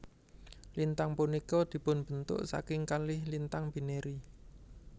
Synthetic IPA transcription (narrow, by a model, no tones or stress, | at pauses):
lint̪aŋpunikɔd̪̥i̤pʊnb̥ə̤nt̪ʊ̰ʔsa̰kɪŋkalɪhlint̪aŋb̥i̤neɾi